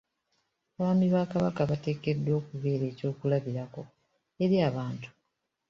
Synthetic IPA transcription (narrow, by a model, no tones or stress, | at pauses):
aβaːmiβaːkaβakaβate̞ːke̞dwo̞ːkuβe̞ːɾe̞ːco̞ːkulaβiɾako̞ | e̞ɾiaβaːntu̥